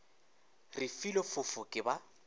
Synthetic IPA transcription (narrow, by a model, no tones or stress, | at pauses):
rɪfilɔfʊfʊkʼɪba